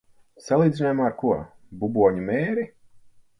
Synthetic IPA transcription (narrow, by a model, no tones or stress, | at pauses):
salˠiːd̪zʲinoːjmaːɾkuɔ | bubuɔɲumɛːɾi